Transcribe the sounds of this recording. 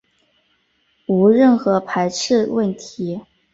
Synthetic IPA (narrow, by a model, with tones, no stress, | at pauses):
u˧˥ɻə˥˩nxɤ˧˥pʰa˧˥ɪʈ͡ʂʰɻ̩˥˧wə˥˩nt̪ʰi˧˥